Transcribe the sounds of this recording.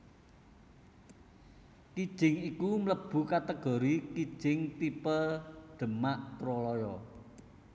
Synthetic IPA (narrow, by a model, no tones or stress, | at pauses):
kid̥ʒ̥ɪŋikumləb̥ṳkat̪əɡ̥ɔ̤ɾikid̥ʒ̥ɪŋt̪ipəɖ̪̥ə̤maʔt̪ɾɔlɔjɔ